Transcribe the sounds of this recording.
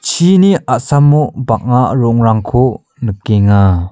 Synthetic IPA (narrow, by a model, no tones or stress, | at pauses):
t͡ʃʰiniʔaʔsamːubaʔ̚ŋaɾɔŋraŋkʰo | nəkeŋa